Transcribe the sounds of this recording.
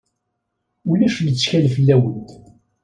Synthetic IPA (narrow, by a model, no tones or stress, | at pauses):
ulæʃlət͡sːçælfəlːæwənt̪